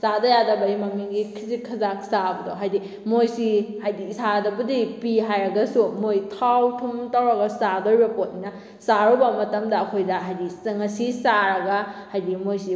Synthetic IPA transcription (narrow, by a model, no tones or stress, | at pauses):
sadɐjadɐbɐdimɐmiŋɡikʰizikʰːɐzaksabɐdoɦajdi | mojsihajdiːsʰadɐbɐdipiɦajɾɐɡɐsumojtʰawtʰumtawɾɐɡasadɐɾbɐpot̚ninɐ | saɾubɐmɐtɐmdɐːkʰojdɐɦajdisɐŋɐsisaɾɐɡahajdimojsi